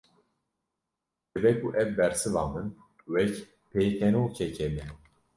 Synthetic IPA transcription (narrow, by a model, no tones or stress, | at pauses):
d͡ʒɨbɛkʰuʔɛvbɛɾsɨvɑːmɨn | wɛc | pʰeːkʰɛnoːt͡ʃʰɛcʰɛmɛ